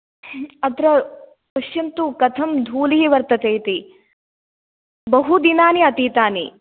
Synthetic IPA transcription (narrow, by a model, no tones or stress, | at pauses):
ɐt̪ɾɐ | pɐʃjɐnt̪ukɐt̪ʰɐmd̪ʱuːliɦiʋɐɾt̪ɐt̪eːt̪i | bɐɦud̪inaːniɐt̪iːt̪aːni